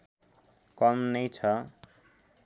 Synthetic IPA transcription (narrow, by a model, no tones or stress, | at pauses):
kʌmnʌjt͡sʰʌ